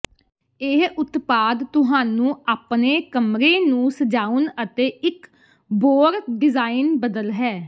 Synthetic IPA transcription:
ɪɦʊt̪paːd̪t̪ʊɦaːnũːaːpneːkəmɾeːnũːsəd͡ʒaːʊnət̪eːɪk | boːɾɖɪzaːɪnbəd̪əlɦɛː

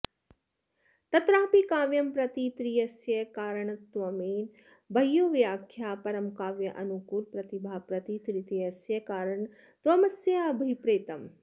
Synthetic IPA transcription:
t̪ɐt̪ɾaːpikaːʋjɐmpɾɐt̪it̪ɾijɐsjɐkaːɾɐɳ̃t̪ʋɐmiːn | bʱɐjːoːʋijaːkʰjaːpɐɾɐmkaːʋjɐʔɐ̰nukuːlpɾɐt̪ibʱaːpɾɐt̪it̪ɾit̪ijɐsjɐkaːɾɐɳ | t̪ʋɐmɐsjɐɐbʱipɾeːt̪ɐm

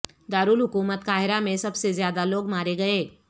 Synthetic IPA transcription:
d̪aːɾuːlɦʊkuːmət̪kaːɦɪɾamẽsɐbsezjaːd̪aloːɡmaːɾeɡɐeː

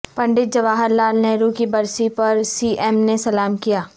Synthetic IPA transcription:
pɐ̃ɳɖɪt̪̚d͡ʒɐʋaːɦəɾlaːlneɾuːkibɐɾsipɐɾsiːʔɛːmnesɐlaːmkijaː

